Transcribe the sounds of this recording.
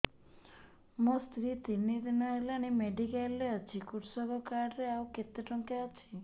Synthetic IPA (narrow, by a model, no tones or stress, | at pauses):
most̪ɾit̪inid̪inɔelañimeɖikajlːeət͡ʃʰikuʈsɔɡɔkaɾɾeauket̪eʈɔŋkeət͡ʃʰi